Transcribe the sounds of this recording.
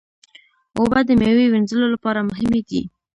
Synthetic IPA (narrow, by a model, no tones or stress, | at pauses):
obad̪əmjewewenzəlolapɑɾamʊɦɪmed̪ḭ